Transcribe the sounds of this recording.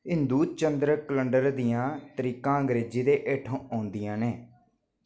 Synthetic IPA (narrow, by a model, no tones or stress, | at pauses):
ɦɪnd̪uːt͡ʃənd̪ɾəkələɳɖəɾd̪ijãːt̪əɾiːkãːəŋɡɾeːd͡ʒiːd̪eːʔeːʈʰõːʔaːnd̪ijãːneː